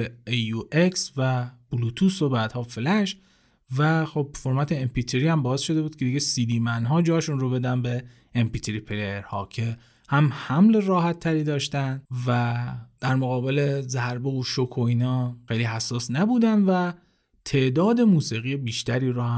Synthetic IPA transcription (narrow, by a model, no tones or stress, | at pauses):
ejueksvæb̥ulut̪ʰuso̞bæːd̪̥hɒːflæʃ | væxob̚foɾmæt̪ʰeempit̪ʰeɾiːhæmbɒːesʃo̞d̪e̞buːd̪̥̚kʰed̪iɡɟesiːd̪iːmænɦɒːd͡ʒɒːʃunrobe̞d̪ænbe | empit̪ʰeɾipʰeleeɾhɒːcʰe̞ | hæmhæmle̞rɒːɦæt̪ʰːæɾiːd̪ɒːʃt̪ænvæd̪̥æɾmoɣɒːbe̞le̞zæɾbeoʃokʰoiːnɒːxejliːɦæsːɒːsnæbuːd̪ænvæ | t̪ʰe̞ʔd̪ɒːd̪e̞muːsiːɣijebiːʃt̪æɾiːɾuh